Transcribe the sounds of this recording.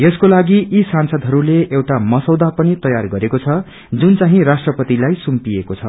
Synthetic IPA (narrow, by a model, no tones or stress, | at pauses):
jeskolaɡiʔisansʌd̪ʱɦʌɾuleʔewʈamʌsʌwd̪apʌnit̪ʌjarɡʌɾekot͡sʰʌ | d͡zunt͡saɦĩrasʈrʌpʌt̪ilajsumpiekot͡sʰʌ̰